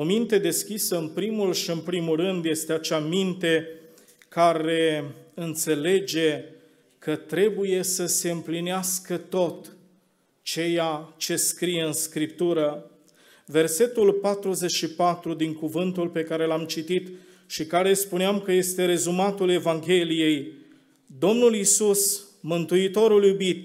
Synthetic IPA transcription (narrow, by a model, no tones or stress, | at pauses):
o̞mint̪e̞d̪e̞skʲisəɨnpɾimulʃiɨnpɾimulrɨnd̪je̞st̪eat͡ʃamint̪e̞ | kaɾe̞ɨnt̪se̞le̞d͡ʒe̞ | kət̪ɾe̞buje̞səse̞ɨmplineaskət̪o̞t̪ | t͡ʃe̞jat͡ʃe̞skɾijeɨnskɾip̚t̪uɾə | ve̞rse̞t̪ulpat̪ɾuze̞t͡ʃʃipat̪ɾud̪iŋkuvɨnt̪ulpe̞kaɾe̞lamt͡ʃit̪it̪ | ʃikaɾe̞spuneamkəje̞st̪e̞ɾe̞zumat̪ule̞vaŋɡʲe̞lije̞j | d̪o̞mnulisus | mɨnt̪uit̪o̞ɾuljubit̪